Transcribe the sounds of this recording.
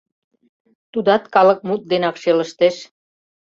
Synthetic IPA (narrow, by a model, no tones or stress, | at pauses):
t̪ud̪ɑt̪kɑlə̆k̚mut̪̚d̪enɑkʃelə̆ʃt̪eʃ